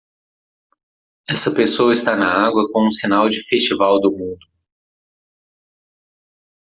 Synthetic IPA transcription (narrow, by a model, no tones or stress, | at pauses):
ɛsɐpesoɐist̪anɐaɡwɐkõũsinawd͡ʒɪfest͡ʃivawd̪ʊmũd̪ʊ